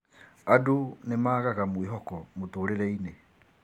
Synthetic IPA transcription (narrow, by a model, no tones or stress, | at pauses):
adonemaːɣaɣamweɦɔkɔmotoːɾeɾɛine